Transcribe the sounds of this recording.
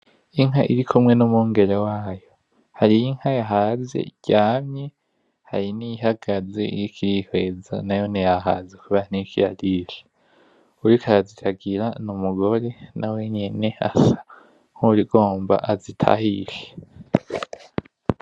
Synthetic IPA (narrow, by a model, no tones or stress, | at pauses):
iŋɦaʔiɾikʰumŋe̞numuŋɡe̞ɾewaːjo̞ | haɾijiŋ̥hajaɦaːzḛɟ̥aːmɲe | haɾiniɦaɡ̥aze̞̰ḭjikʰiɾihwe̞za̰najo̞nejaɦazekuβaɾanikʰiɾadiɾe | uɾikaɾazitʰaɡiɾanumuɡo̞ɾe̞nawe̞ɲe̞ne̞a̰sḁ | ŋ̥hoɾiɡo̞ːmba̰ʔazitʰa̰hiɾe